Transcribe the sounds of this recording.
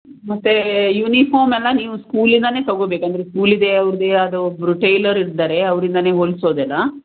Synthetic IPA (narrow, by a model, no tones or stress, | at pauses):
mɐt̪ːejuːnipʰoːɾmɛlːɐniːʋuskuːlind̪ɐne̞ːt̪ɐɡoːbeːkɐnd̪ɐɾeskuːlid̪e̞ɐʋɾid̪eɐd̪ubɾuʈejlɐɾiɾd̪aːɾe̞ɐʋɾind̪ɐne̞ːɦoɭsoːd̪ɛlːɐ